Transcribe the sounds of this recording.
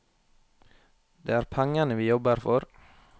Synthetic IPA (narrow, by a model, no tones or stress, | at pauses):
d̪̥eːæːɾpʰæŋɑnəʋiːjɔbəɾfɔɾ